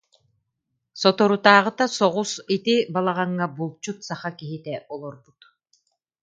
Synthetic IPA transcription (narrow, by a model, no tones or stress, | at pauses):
sɔt̪ɔɾut̪aːʁɯt̪asɔʁusit̪ibalˠaʁaŋːabulˠt͡ɕut̪saχakiɦit̪ɛʔɔlˠɔɾbut̪